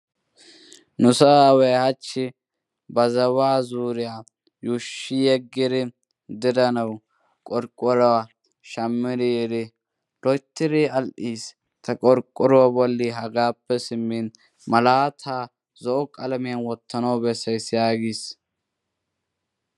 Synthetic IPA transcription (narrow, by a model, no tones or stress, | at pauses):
nʊsɐwɛhɐt͡ʃːɪ | bɐzɐwaːzuːɾɪjaː | juʃːɪjɛɡːɪd̪ɪ | d̪ɪd̪ɐnɐw | kʼɔɾkʼːɔɾwa | ʃɐmːɪd̪ɪd̪ɪ | lɔjt̪ːɪɾɪɐlʔiːs | t̪ʰɐkʼɔɾkʼːɔɾwabɔlːiɦɐɡaːpːɛsɪmːin | mɐlaːt̪ʰaː | zɔʔɔkʼɐlɐmɪjɐnwɔt̪ːɐnɐwbɛsɐjsjaːɡis